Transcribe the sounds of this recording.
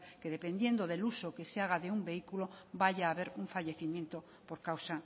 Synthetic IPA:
keðepend̪jend̪oðelusokeseaɣaðeumbeikulobaʎaːβeɾuɱfaʎeθimjẽnt̪o | poɾkawsa

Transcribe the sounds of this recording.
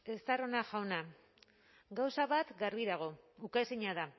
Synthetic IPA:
e̞st̪aro̞naʝawna | ɡawsaβat̪ɡarβiðaɣ̞o̞ukasiɲaða

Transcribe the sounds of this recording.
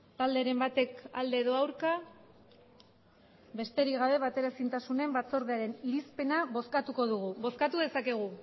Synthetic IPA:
t̪ald̪eɾe̞mbat̪e̞kald̪e̞ːðo̞awɾka | βe̞st̪e̞ɾiɣaβe̞β̞at̪e̞ɾasint̪asune̞mbat͡so̞ɾð̞eaɾe̞niɾispe̞naβo̞skat̪uko̞ðuɣuβo̞skat̪uðe̞sake̞ɣ̞u

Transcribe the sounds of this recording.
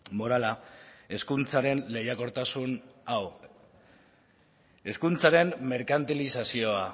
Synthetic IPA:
mo̞ɾalae̞skunt͡saɾe̞nle̞jako̞ɾt̪asunaw | e̞skunt͡saɾe̞mme̞ɾkant̪ilisasio̞a

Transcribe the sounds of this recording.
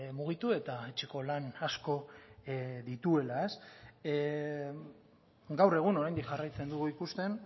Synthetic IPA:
muɣ̞it̪ue̞t̪aet͡ʃeko̞lanasko̞ | ðit̪ue̞lae̞s | ɡawre̞ɣ̞uno̞ɾajnd̪ikʝarajt͡se̞nd̪uɣuikust̪e̞n

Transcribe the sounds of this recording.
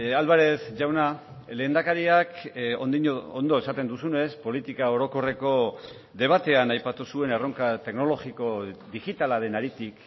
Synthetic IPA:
alβeɾe̞zʝawna | le̞ːnd̪akaɾiako̰nd̪iɲoond̪o̞e̞sat̪e̞nd̪usune̞spo̞lit̪ikao̞ɾo̞ko̞re̞ko̞ | ðe̞β̞at̪e̞anajpat̪usue̞ne̞ro̞ŋkat̪e̞kno̞lo̞ɣiko̞ðiɣit̪alaðe̞naɾit̪ik

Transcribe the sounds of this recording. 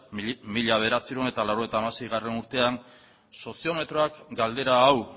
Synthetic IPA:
miʎaβ̞e̞ɾat͡siɾone̞t̪alawɾoet̪aːmase̞jɣare̞nuɾt̪e̞aŋ | so̞sio̞me̞t̪ɾo̞akɡald̪e̞ɾaːw

